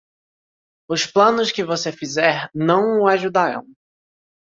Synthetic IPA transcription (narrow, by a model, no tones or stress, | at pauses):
ʊsplɐ̃nʊskɪvosefizɛɾnɐ̃w̃ʊaʒud̪aɾɐ̰̃w̃